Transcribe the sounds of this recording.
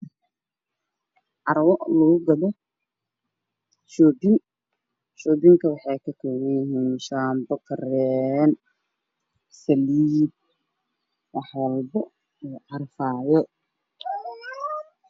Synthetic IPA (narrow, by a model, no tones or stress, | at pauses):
ʕɑɾwɔʔlɐɣʊɡɐðɔ | ʃɔːbɪn | ʃɔːbɪŋkʰɐwɑħɑjkʰɐkʰɔwɛjɪɦiːnʃaːmbɐkrɛn | sɐliːb̚ | wɑħwɑlbɔ | ʕɑrfaːjɔ